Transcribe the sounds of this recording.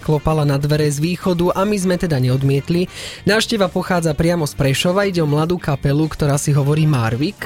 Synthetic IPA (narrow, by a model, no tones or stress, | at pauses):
klɔpalanad̪ʋɛɾɛzʋiːxɔd̪uʔamizmɛt̪ɛd̪aɲɛɔd̪mɪɛt̪linaːfʃcɛʋapɔxaːd͡zapɾɪamɔspɾɛʃɔʋaiɟɛɔmlad̪uːkapɛlukt̪ɔɾaːsiɦɔʋɔɾiːmaːɾʋik